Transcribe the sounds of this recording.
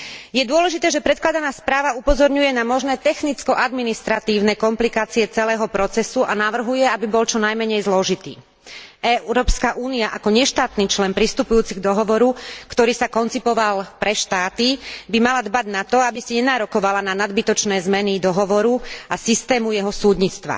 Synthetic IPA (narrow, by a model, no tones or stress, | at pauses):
jɛd̪ʊɔlɛʒit̪ɛːʒɛpɾɛt̪̚klad̪anaːspɾaːʋaupɔzɔɾɲujɛnamɔʒnɛːt̪ɛxnit͡skɔʔad̪minist̪ɾat̪iːʊnɛkɔmplikaːt͡siɛt͡sɛlɛːɦɔpɾɔt͡sɛsuʔanaʋr̩ɦujɛabibɔlt͡ʃɔnajmɛɲɛjzlɔʒit̪ḭː | ɛɾɔːpskaʔuːniaʔakɔɲɛʃt̪aːt̪niːt͡ʃlɛnpɾist̪upujuːt͡siɣd̪ɔɦɔʋɔɾukt̪ɔɾiːsakɔnt͡sipɔʋalpɾɛʃt̪aːt̪ibimalad̪baɟnat̪ɔabisiɲɛnaːɾɔkɔʋalananad̪bit̪ɔt͡ʃnɛːzmɛnid̪ɔɦɔʋɔɾuasist̪ɛːmujɛɦɔsuːd̪ɲit͡st̪ʋa̰